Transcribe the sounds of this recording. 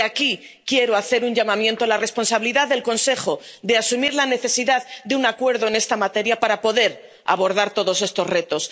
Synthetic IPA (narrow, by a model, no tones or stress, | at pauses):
aki | kje̞ɾoaθe̞ɾuɲʝamãmje̞nt̪oalare̞spo̞nsaβiliðaððe̞lko̞nse̞χo̞d̪e̞asumiɾlane̞θe̞siðaðd̪eunakwe̞ɾðo̞ene̞st̪amat̪e̞ɾjapaɾapo̞ðe̞ɾ | a̰βo̞ɾðaɾt̪o̞ðo̞se̞st̪o̞sre̞t̪o̞s